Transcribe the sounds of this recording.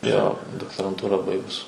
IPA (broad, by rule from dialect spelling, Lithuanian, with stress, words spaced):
joː doːktoːrɐnˈtuːrɑː ˈbɐɪɡʊs